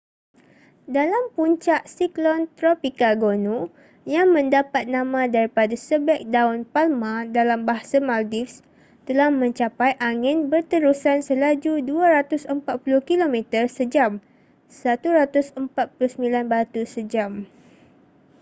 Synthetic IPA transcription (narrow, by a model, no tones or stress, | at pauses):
dalampuɲt͡ʃaʔsiklɔnt̪ɾopikaɡonũ | jaŋmə̃ndapat̪̚nãmãdaɾipadasəbɛk̚daʊnpalmãdalambaɦasamaldifs | t̪əlahmə̃ɲt͡ʃapajʔaŋɪnbərt̪əɾusansəlad͡ʒuduaɾat̪ʊsəmpat̪̚puluhkilomɛ̃t̪ərsəd͡ʒam | sat̪uɾat̪ʊsəmpat̪̚pulʊhsəmĩlanbat̪usəd͡ʒam